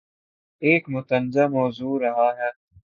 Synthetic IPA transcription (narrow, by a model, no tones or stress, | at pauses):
eːkmʊt̪ənzɐmoːzuːɾɐɦaːɦɛː